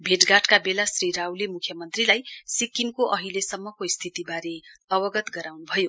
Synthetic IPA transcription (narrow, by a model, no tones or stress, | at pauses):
bʱeʈɡaʈkabelasriɾawlemukʰjʌmʌnt̪rilajsikːimkoʔʌɦilesʌmːʌkoist̪ʰit̪ibaɾeʌbʌɡʌt̪ɡʌɾawnubʱʌjo